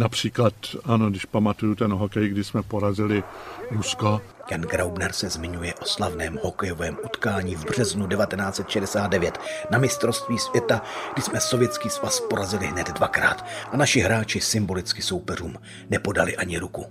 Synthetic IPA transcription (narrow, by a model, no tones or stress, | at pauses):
napr̝̥iːklat̪anoɡdɪʃpamat̪ujut̪ɛnɦokɛjɡdɪsmɛpoɾazɪlɪɾusko | janɡɾawbnɛɾsɛzmɪɲujɛʔo̞slavnɛːmho̞kɛjo̞vɛːmʔut̪kaːɲiːvbr̝̥ɛznudɛvat̪ɛnaːt͡sɛt̪ʃɛdɛsaːd̪dɛvjɛt̪namɪst̪ɾo̞st̪viːsvjɛt̪aɡdɪsmɛso̞vjɛt͡skiːsvaspo̞ɾazɪlɪɦnɛd̪dvakɾa̰ːt̪ʔanaʃɪɦɾaːt͡ʃɪsɪmbo̞lɪt͡skɪso̞wpɛruːm | nɛpo̞da̰lɪʔaɲɪɾuku